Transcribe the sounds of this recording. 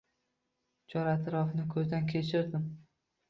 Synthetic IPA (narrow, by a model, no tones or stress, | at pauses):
t͡ʃʰɒɾat̪ʰɾɒfnɪkʲʰɵzd̪ankʲʰe̞t͡ʃʰɪɾd̪ɪm